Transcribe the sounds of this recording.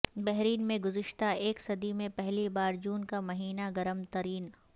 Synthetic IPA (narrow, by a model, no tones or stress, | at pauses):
bɛɦɾiːnmẽɡʊzɪʃt̪aeːksɐd̪imẽpɛɦlibaːɾd͡ʒuːnkamɐɦiːnaɡɐɾəmt̪ɐɾiːn